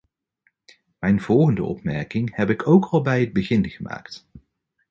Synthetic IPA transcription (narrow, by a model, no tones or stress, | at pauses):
mɛjnv̥ɔlˠχəndəɔ̰pmɛɹkɪŋhɛpɪkowkʰɑlˠbɛjəd̚bəχɪnχəma̰ːkt